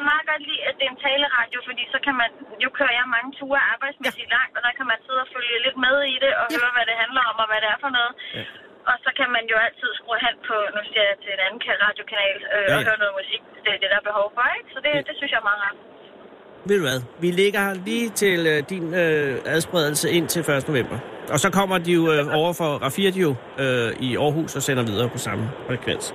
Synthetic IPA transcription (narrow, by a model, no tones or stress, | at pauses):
mɑ̈ːð̩ˠɡ̥ɒ̽d̥liːæd̥e̝ent͡sʰɛːləʁɑ̈d̥jo̝fɒ̽d̥ḭːsɒ̽kʰæmænjo̝kʰøɐjɑ̈mɑ̈ŋət͡sʰuːɐɑ̈ːb̥ɑ̈ɪ̰d̥smesilɑ̈ŋ̰d̥ɒ̽d̥ɑ̈kʰæmænse̝ð̰ˠɒføljəle̝d̥̚með̞ˠiɾ̥e̝ʔɒ̽ɦøːɐʋæɾ̥e̝ɦænlɐɒ̽mɒʋæɾe̝æɐfɒ̽nɔ̽ːð̩ˠ | ʔɒ̽sɒ̽kʰæmænjo̝æl̰t͡sʰið̞̰ˠsɡ̥ʁoɦæn̰pʰɒ̽nusiɐjɑt͡sʰe̝enænn̩kʰælʁɑ̈ːd̥jo̝kʰænɛ̰ːløɦøːɐnɔ̽ːð̩ˠmusiɡ̥̚t͡sed̥ed̥æɐb̥e̝ɦɒʊfɒ̽eɡ̥sɒ̽d̥e̝d̥e̝synsjɑ̈mɑ̈ːɑ̥ | ʋe̝ðˠd̥uʋæðˠʋileɡ̥ɐliːt͡sʰe̝ld̥inøæðˠsb̥ʁɛð̞ˠl̩səe̝n̰t͡sʰe̝lfɶɐsd̥əno̝ʋem̰b̥ɐɒ̽sɒ̽kʰɒ̽m̰ɐd̥ijo̝ɒʊɐfɒ̽ʁɑfiɐd̥io̝ | øiɒːɦṵːsɒ̽sen̰ɐʋið̞ˠɐːpʰɒ̽sɑ̈məfʁɛkʰʋen̰s